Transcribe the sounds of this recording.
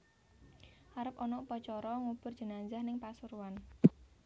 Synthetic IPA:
ʔaɾəp̚ɔnɔupɔt͡ʃɔɾɔŋub̥ʊr̥d͡ʒ̥ə̤naɲd͡ʒahnɪŋpasuɾuan

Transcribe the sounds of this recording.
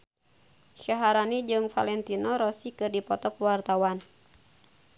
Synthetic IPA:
ʃaɦaɾanid͡ʒɨŋfa̰lɛnt̪inɔɾɔsikɨrdipɔt̪ɔkwart̪awan

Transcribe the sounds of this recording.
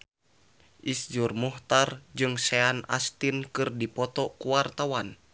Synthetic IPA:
ʔisd͡ʒurmuht̪ard͡ʒɨŋsɛana̰st̪inkɨrdipɔt̪ɔkuwart̪awan

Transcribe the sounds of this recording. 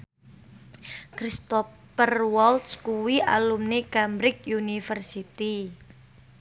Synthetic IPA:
kɾist̪ɔ | pərwɔlt̪skuwia̰lumnekamɾɪk̚junifərsit̪i

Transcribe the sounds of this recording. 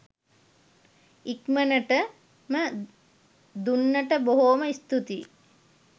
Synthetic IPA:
ikmənəʈə | mə | d̪unːəʈəboɦoːməist̪ut̪i

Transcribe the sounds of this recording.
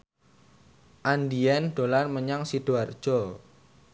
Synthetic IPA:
ʔandiɛnɖ̪̥o̤larməɲaŋsid̥uard̥ʒ̥ɔ

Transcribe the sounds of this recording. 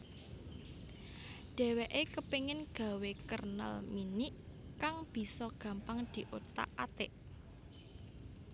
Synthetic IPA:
ɖ̪̥ɛ̤weʔekəpeŋɪnɡ̥a̤wekərnə̰lminiʔkaŋb̥i̤sɔɡ̥ä̤mpaŋd̪̥i̤ʔot̪a̰ʔat̪ɪʔ

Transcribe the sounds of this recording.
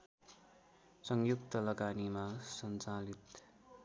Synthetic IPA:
sʌŋjuk̚t̪ʌlʌɡanimasʌnt͡salit̪

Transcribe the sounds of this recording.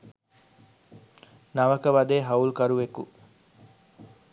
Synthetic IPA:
nɐʋɐkəʋɐd̪eːɦɐulkɐɾuʋeku

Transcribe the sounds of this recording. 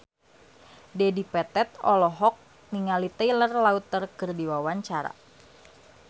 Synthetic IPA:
dɛdipɛt̪ɛt̪̚ɔlɔɦɔk̚ | niŋalit̪əjlərlaut̪ːərkɨrdiwawaɲt͡ʃaɾa̰

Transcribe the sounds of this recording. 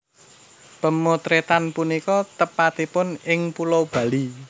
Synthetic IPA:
pəmot̪ɾet̪anpunikɔt̪əpat̪ipʊnɪŋpulob̥ä̤li

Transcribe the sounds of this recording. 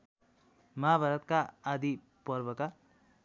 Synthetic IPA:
mʌabʱaɾʌt̪̚kaːd̪i | pʌɾbʌka

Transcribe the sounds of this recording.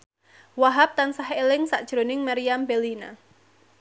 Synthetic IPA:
waɦap̚t̪ansahelɪŋsaʔd̥ʒ̥ɾonɪŋmaɾiambelina̰

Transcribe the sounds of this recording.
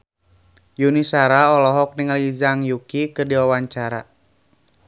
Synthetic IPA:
junisaɾaɔlɔɦɔk̚niŋalizaŋjukikɨrdiwawaɲt͡ʃaɾa̰

